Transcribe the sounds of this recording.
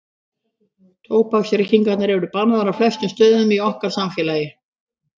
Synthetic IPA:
t̪ʰoːwpaksɾɪcːiŋkat̪naɾɛvɾʏpanːaðaɾaflɛst̪ʏmst̪œːðʏmiɔhkaɾ̥samfɛːlaːjɪ

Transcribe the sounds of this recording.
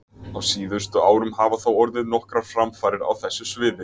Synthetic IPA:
awsiːðʏst̪ʏaːwɾʏmhaːvaθawɔɾðɪðnɔhkɾafɾamfaːɾɪɾa̰wθɛsːʏsvɪːðɪ

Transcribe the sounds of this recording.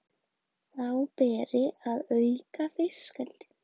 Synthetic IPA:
θawpɛːɾɪaðœːɥkafɪ̥skɛlt̪ɪ̥

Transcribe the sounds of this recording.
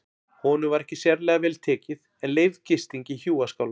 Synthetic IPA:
hɔːnʏvaɾɛhcɪsjɛɾlɛːɣavɛːlt̪ʰɛːcɪð | ɛnleːjvcɪst̪iɲcɪçjuːaskaːwla

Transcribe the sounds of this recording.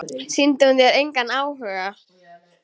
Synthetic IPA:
sɪnt̪ɪunθjɛɾejŋkanaːwhœːɣa

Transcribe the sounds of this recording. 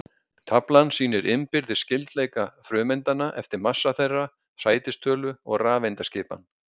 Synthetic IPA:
t̪ʰaplansiːnɪɾʔɪmpɪɾðɪ̥scɪlt̪lejkafɾʏːmɛjnt̪anːaʔɛft̪ɪɾmasːaθejrːa | saːjt̪ɪst̪ʰœːlʏɔɣraːvejnt̪ascɪːpa̰n

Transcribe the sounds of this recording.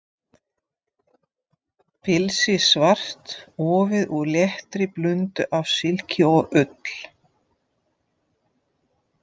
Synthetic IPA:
pʰɪlsɪsvar̥t̪ɔːvɪðuðljɛht̪ɾɪplʏnt̪ʏʔavsɪlcɪɔɣʏt̪l̥

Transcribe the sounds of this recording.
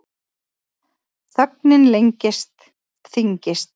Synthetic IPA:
θœk̚nɪnlejɲcɪst̪ | θiɲcɪst̪

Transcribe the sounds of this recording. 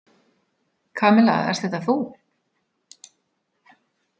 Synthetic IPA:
kʰaːmɪla̰ːɣ̰ɛ̰ɾ̥st̪θɛht̪aθu

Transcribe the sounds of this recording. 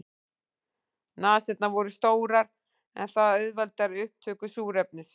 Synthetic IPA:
naːsɛt̪navɔɾʏst̪oːwɾaɾ | ɛ̰nθaðœɥðvalt̪aɾʏhp̚t̪ʰœːkʏsuːɾɛpnɪs

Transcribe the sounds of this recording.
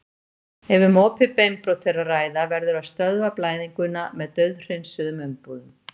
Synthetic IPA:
ɛvʏmɔːpʰɪpejmpɾɔwt̪ʰejraraːjðavɛɾðʏɾaðst̪œðvaplaːjðiŋkʏnːamɛðt̪œɥðr̥ensʏðʏmʏmpuðʏm

